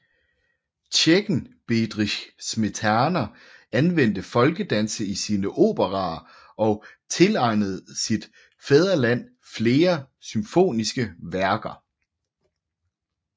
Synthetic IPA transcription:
t͡ɕʰeɡ̥n̩b̥ed̥ʁiɕsmet͡sʰænɐ | ænʋen̰d̥əfɒ̽lɡ̥əd̥ænsəisiːnəʔo̝̰ːb̥əʁɑ̈ | ʔɒ̽t͡sʰe̝lɑ̈ɪnəð̞̩ˠsid̥ | feð̞ˠʁɐlæn̰ | fle̝ːɐ | symfo̝̰ːnisɡ̥əʋæɐɡ̥ɐ

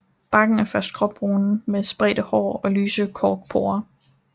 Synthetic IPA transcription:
b̥ɑ̈ɡ̥n̩æɐfɶɐsd̥̚kʰʁɒ̽b̥ʁoːnn̩mesb̥ʁɛ̰d̥əhɒ̰ːɒ̽lyːsəkʰɒːɡ̥̚pʰoːɐ

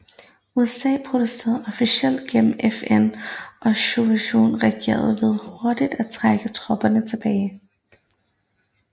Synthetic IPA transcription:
uesɛ̰ːpʰʁo̝d̥use̝̰ːɐð̩ˠɒ̽fiɕel̰d̥̚ɡ̥em̰m̩efenʔɒ̽ɕoʋæɕo̝̰ːnʁɛɡ̥e̝̰ːɐð̞̩ˠʋe̝ð̞ˠho̝ɐd̥id̥æt͡sʰʁaɡ̥ət͡sʰʁɒ̽b̥ɐnət͡sʰe̝b̥ɛːɪ

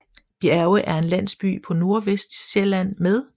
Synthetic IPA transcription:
b̥iæʊəʔæɐe̝nlæn̰sb̥y̰ːpʰɒ̽no̝ɐʋesd̥ɕelæn̰meðˠ

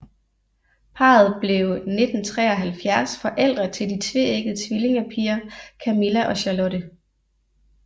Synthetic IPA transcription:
pʰɑ̰̈ːð̞̩ˠb̥le̝ʊne̝d̥n̩t͡sʰʁɛ̰ːɒ̽ɦælfjæɐsfɒ̽ʔel̰d̥ʁɐt͡sʰe̝ld̥it͡sʰʋe̝̰eɡ̥əð̩ˠt͡sʰʋile̝ŋɐpʰiːɐkʰæmilæʔɒ̽ɕɑlɔɾ̥ə

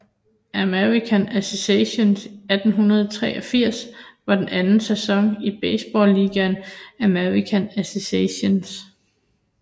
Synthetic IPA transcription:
ʔæmeʁikʰænæseseɕo̝nsæd̥n̩ɦunɐð̞ˠt͡sʰʁɛ̰ːʔɒ̽fiɐ̰sʋɑ̈d̥enænn̩sesɒ̽ŋib̥eɪsb̥ɒ̰ːlːiːɡ̥ænæmeʁikʰænæseseɕons

